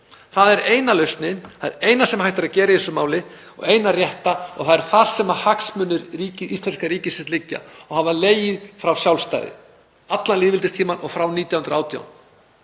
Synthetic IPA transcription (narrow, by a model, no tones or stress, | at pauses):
θaðɛɾeːjnalœɥst̪nɪnaðɛ̰ɾeːjnasɛmahajht̪aɾaðcɛːɾɪiθɛsʏmaːwlɪ | ɔ̰ɣejnarjɛht̪aɔ̰ɣθaðɛɾ̥θaɾ̥sɛmahaksmʏnːʏɾːiːcɪʔist̪lɛnskaɾiːcɪsɛst̪lɪcːa̰ɔɣhavaleːjɪðfɾawsjawlst̪a̰jðɪ̰ | at̪lanliːðvɪlt̪ɪst̪ʰiːmanɔ̰ɣfɾawniːt̪jawhʏnɾaːwt̪ʰja̰wn